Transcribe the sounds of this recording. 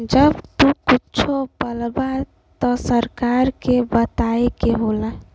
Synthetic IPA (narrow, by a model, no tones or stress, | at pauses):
d͡ʒəbt̪ukit͡ʃʰopəlba | t̪ɔsəɾkaɾkebət̪aekeɦola